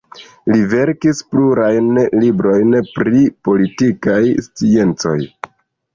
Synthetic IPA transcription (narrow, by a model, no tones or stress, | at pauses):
live̞ɾkispluɾajnlibɾo̞jnpɾipo̞litikajst͡sie̞nt͡so̞̰j